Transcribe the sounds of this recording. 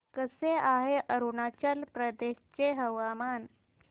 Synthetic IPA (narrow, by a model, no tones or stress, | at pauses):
kəseaɦeʔəɾunat͡ɕəlpɾəd̪eɕt͡ɕeɦəʋamaːn